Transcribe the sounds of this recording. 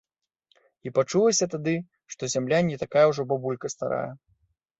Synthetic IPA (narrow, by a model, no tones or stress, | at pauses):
ipat͡ʂulˠɐsʲɐt̪ad̪ɨ | ʂt̪ɔzʲamlʲanʲɛt̪akajɛwʐɔbabulʲkɐst̪a̰ɾa̰jɐ